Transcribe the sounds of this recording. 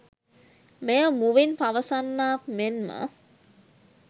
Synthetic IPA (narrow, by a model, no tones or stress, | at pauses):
mejəmuʋinpaʋəsanːaːkmenmə̰